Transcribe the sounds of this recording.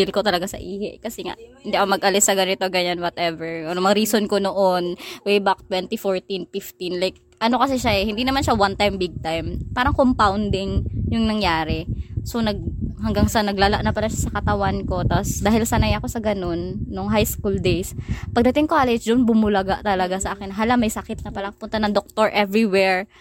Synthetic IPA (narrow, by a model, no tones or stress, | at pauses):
ɪlko̞t̪ɐlɐɡasɐ̰ʔiːhɛʔkɐsɛŋa̰ʔhɪnd̪iʔɐkomɐɡʔɐlɪsːɐɡɐnɪt̪oɡɐɲanwɔt̪ʔɛvɛɹonmɐɾiːsonkonoʔonwejbak̚t̪wɛnt̪ifoɹt̪infɪft̪inlajk̚ | ʔɐno̞kɐs̬ɛʃaʔɛhɪnd̪inɐmanʃawant̪ajmbɪɡ̚t̪ajmpaːɾɐŋkompawnd̪ɪŋjʊŋnɐŋjaːɾɛsonɐɡ̚hɐŋɡaŋsɐnɐɡlaːlaʔnɐpɐlaʃasɐkɐt̪ɐwanko̞t̪asd̪aːhɪlsɐnajɐko̞sɐɡɐno̞nːoŋɦajskuld̪ejspɐɡ̚d̪ɐt̪ɪŋkaːlɛd͡ʒd̪oʔnbʊmʊlɐɡaʔt̪ɐlɐɡasɐʔaːkɛnɦaːlamɐjsɐkɪt̪̚nɐpɐlakpʊnt̪anɐŋd̪ok̚t̪oɹʔɛvɹiwɛɹ